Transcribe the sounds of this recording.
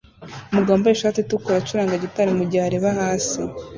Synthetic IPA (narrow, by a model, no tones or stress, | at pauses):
muɡaːmbojeʃaːtitukoɾat͡ʃuɾaːŋɡaɟitaɾimuɟaaɾeβahaːsi